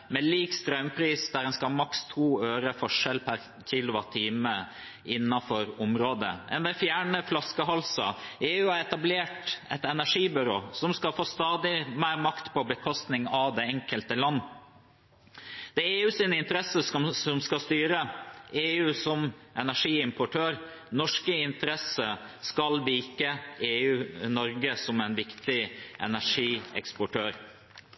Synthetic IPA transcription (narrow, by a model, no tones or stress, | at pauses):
mɛliːkst̪ɾœʉmpʰɾiːsd̪æɾɛnskɑmɑkst̪ʰuːøːɾəfɔʂɛlpʰæɾ | cʰilʊʋɑt̪ʰiːmə | ɪnːɑfɔɾʊmɾoːd̪ə̰ʔɛ̰nʋɛfjæːɳəflɑskəɦɑlsɑ̰eːʉːɑɾɛt̪ɑbleːʈɛt̪ɛnæʂiːbʏɾo̰ːsɔmskɑlfoːst̪ɑːd̪ɪmæːɾmɑkt̪pʰɔbəkʰɔst̪nɪŋɑʋd̪ɛɛŋkəlt̪əlɑnː | d̪̥ɛeːʉːsiːnəɪnt̪əɾɛsəsɔmskɑst̪yːɾəʔeːʉːsɔmʔɛnæʂiːɪmpʊʈʰøːɾ | nɔʂkəɪnt̪əɾɛsə | skɑlbiːkəeːʉːnɔɾɡəsɔmæɪnʋɪkt̪ɪʔɛ̰næʂiːɛ̰kspɔʈʰøːɾ